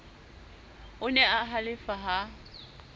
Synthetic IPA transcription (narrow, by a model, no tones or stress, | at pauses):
ʊnɛaɦalɪfaɦa